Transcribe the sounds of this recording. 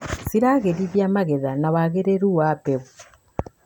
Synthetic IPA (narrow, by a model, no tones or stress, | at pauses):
siɾaːɣeɾiβjaːmaɣeðanaβaɣeɾeɾuwaːpeβu